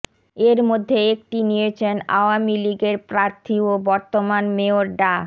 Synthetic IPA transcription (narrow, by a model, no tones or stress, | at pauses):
eɾmod̪ʱːeek̚ʈinijet͡ɕʰena̰oamiliɡeɾpɾaɾt̪ʰiobɔɾt̪omanmeoɾɖa